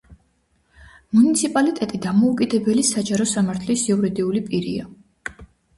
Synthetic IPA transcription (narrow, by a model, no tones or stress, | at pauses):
munit̪sʰipʼalit̪ʼɛt̪ʼid̪amɔukʼid̪ɛbɛlisad͡ʒaɾɔsamaɾt̪ʰlisiuɾid̪iulipʼiɾḭa